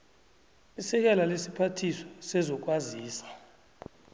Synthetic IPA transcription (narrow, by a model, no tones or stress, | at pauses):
isɛk̬ʼɛlalesipʰatʰisɔ̥sɛzɔk̬ʼwaziːsḁ